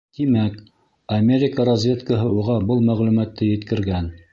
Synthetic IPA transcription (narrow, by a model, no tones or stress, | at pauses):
t̪imæk | ɐmʲeɾʲɪkəɾɐzʲvʲe̞t̪kəɦɤuʁɑbɤlˠmæʁlʉmæt̪ːɘjɘ̆t̪kɘ̆ɾɡæn